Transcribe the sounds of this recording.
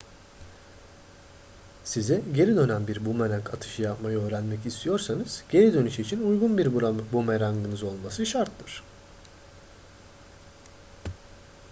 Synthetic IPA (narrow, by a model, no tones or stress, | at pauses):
siziɟe̞ɾid̪ø̞nænbiɾbumɛɾakat̪ʰɯ̥ʃɯjapmajɯø̞ːɾænmɛcist̪ʰijo̞ɾsanɯz̥ɟ̥e̞ɾid̪ø̞nyʃit͡ʃʰinujɡunbiɾbumeɾaŋɡɯnɯzo̞lˠmasɯʃaɾt̪ʰːɯɾ̥